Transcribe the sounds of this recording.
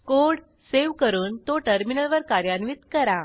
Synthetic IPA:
koɽ | seʋkəɾuːnt̪oʈəɾminəlʋəɾkaɾjanʋit̪kəɾa

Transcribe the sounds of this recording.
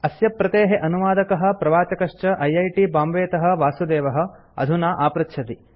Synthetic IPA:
ɐsjɐpːɾɐt̪eːɦeʔɐnuʋaːd̪ɐkɐɦɐ̆pɾɐʋaːt͡ʃɐkɐʂt͡ʃɐʔɐjɐjʈibaːmʋeːt̪ɐɦɐ̆ʋaːsud̪eːʋɐɦɐ̆ | ɐ̰d̪ʱunaːʔaːpɾɐt̪ʃʰɐt̪i

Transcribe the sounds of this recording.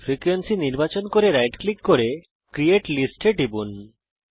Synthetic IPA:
fɾikwensiniɾbat͡ɕonkoɾeɾajʈklikːoɾe | kɾieʈlisʈeʈibun

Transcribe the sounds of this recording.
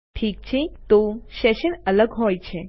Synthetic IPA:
ʈʰiːk̚t͡ʃʰet̪oʃeʃənələɡɦojt͡ʃʰe

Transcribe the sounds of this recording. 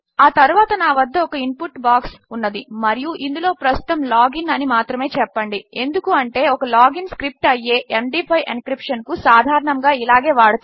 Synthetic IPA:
aːt̪ɐɾuʋaːt̪ɐnaːʋɐd̪ːɐɔkɐimpuʈːbaːksunːɐd̪imɐɾijuʔind̪ulo̞ːpɾɐst̪ut̪ɐmlaːɡinɐnimaːt̪ɾɐme̞ːt͡ʃɛpːɐɳɖie̞nd̪ukuɐɳʈe̞ːɔkɐlaːɡinskɾip̚ʈɐjːe̞ːʔemɖipʰɐjʔenkɾipʂɐnkusaːd̪ʱaːɾɐɳɐŋɡaːilaːɡe̞ːʋaːɽut̪

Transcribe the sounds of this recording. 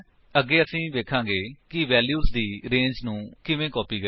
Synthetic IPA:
əɡːeːəsĩːʋeːkʰãːɡeːkɪʋɛːljuːzd̪iːɾẽːɲd͡ʒnũːkɪʋẽːkɔːpiːɡə

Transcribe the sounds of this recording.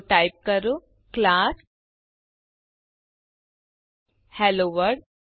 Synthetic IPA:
ʈajp̚kəɾu | klas | hɛloʋəɾɽ

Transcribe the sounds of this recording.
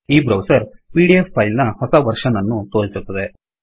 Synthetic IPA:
iːbɾɐwsɐɾpiːɖiefʰːɐjlnɐhɔsɐʋɐɾʂɐnɐnːut̪oːɽsut̪ːɐd̪e

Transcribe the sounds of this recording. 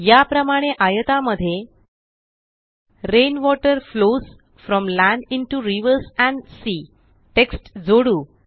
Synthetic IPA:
japɾəmaɽ̃eʔajət̪aməd̪ʱːje | ɾenʋɔʈəɾfloz | fɾɔ̃mlæ̃ɳɖiɳʈuɾiʋəɾsæ̃ɳɖsi | ʈeksʈd͡zoɽuː

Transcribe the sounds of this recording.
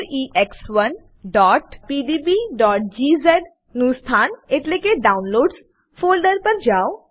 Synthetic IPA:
ɾiːʔɛkswɐn | ɖɔːʈpiːɖiːbiːɖɔːʈ̚d͡ʒiːzɛɖ | nuːst̪ʰaːneʈlekeɖaːʊnloːɖs | fʰoːlɖəɾpəɾd͡ʒaːo

